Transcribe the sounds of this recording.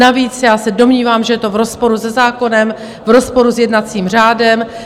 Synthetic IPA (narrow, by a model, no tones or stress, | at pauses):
aviːt͡sjaːsɛdo̞mɲiːvaːmʒɛjɛt̪o̞vɾo̞spo̞ɾuzɛzaːko̞nɛm | vɾo̞spo̞ɾuzjɛdnat͡siːmr̝aːdɛm